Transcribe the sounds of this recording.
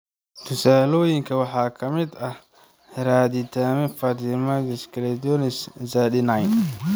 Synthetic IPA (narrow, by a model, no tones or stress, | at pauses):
t̪ʰʊsaːlɔːjɪŋkʰɐwɑħɑːkʰɐmɪd̪ɐh | ɾaːd̪ɪt̪ʰaːmɛfɐt̪ɪmɐd̪ɛskʰlɛd̪ɔnɪszaːɗɪnɐjn